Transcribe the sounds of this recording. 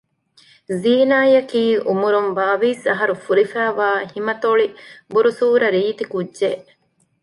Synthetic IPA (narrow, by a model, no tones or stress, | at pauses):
ziːnaːjɐkiːʔumuɾumbaːʋiːsɐɦɐɾufuɾifæːʋaːhimɐt̪oɭibuɾusuːɾɐɾiːt̪ikudʒe